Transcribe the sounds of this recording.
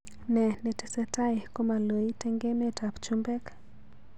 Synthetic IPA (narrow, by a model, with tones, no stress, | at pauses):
nɛ˨ne˨tɛ˨sɛ˦ta˦jko˦ma˨lo˨i˦te˦ŋɡe˦me˦ta˨pt͡ʃu˦mbɛ˦k